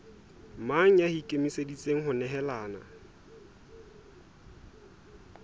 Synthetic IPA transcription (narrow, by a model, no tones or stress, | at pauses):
maŋ̩jahikʼemisedit͡sʼeŋ̩ɦʊnɛɦɛlaːna̰